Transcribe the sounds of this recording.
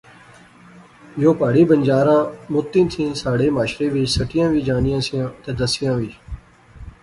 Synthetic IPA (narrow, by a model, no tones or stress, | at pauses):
joːpaːɽiːbənd͡ʒaːɾãːmʊt̪ːĩːt̪ʰĩːsaːɽeːmaːʃɾeːʋɪt͡ʃsəʈɪjãːʋiːd͡ʒaːnɪjãːsɪjãːt̪eːd̪əsɪjãːʋiː